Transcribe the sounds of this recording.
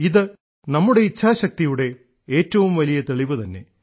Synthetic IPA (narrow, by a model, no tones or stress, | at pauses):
iðɨ | nɐmːuɽe̞it͡ɕʰːaːɕɐk̚t̪ijuɽe̞ | eːtːɐʋumʋɐlijɐt̪eɭiʋɨt̪ɐnːe̞̰